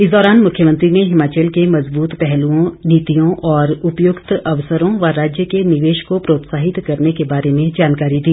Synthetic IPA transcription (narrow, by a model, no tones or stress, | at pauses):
ɪsd̪ɔːɾaːnmʊkʰːjəmə̃nt̪ɾineɦɪmaːt͡ʃəlkemɐzbuːt̪pɛɦlũõniːt̪ijõʔɔːɾʊpjʊɡt̪ɐʋsəɾõʋɐɾaːd͡ʒjəkenɪʋeːʃkopɾoːt̪saːɦɪt̪kɐɾnekebaːɾemẽd͡ʒaːnkaːɾid̪iː